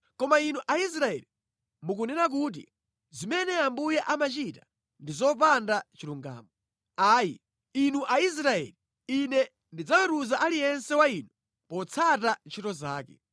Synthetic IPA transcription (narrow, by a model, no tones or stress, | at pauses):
kɔmainuʔais̬ɾaɛ̰li | muk̬unɛnak̬uːt̬ḭ | zimɛnɛambujɛʔamat͡ʃitḁ | ndizɔp̬andat͡ʃiɾuŋɡa̰ːmɔ | aːjḭ | inuʔais̬ɾaɛ̰ːli | inɛ | ndid͡zawɛtuzaʔalijɛnsɛwaiːnu | pɔt͡sʰatant͡ʃʰitɔzaːkɛ